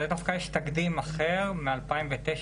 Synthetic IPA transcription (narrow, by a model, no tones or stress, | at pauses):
let̪oχkajeɛʃt̪aɡd̪imaχeʁmealpaimvet̪eʃ